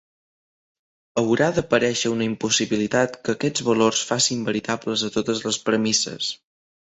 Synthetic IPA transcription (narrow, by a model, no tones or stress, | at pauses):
əwɾaðəpəɾɛʃəunəimpusiβilit̪at̪kəːkɛd͡zβəlorsfasimbəɾit̪abləzət̪ot̪əzləspɾəmisə̰s